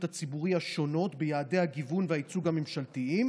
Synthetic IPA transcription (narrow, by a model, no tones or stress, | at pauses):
that͡sibuʁiaʃo̞no̞tbejaːde̞jhaɡivunveait͡suɡhamemʃaltiim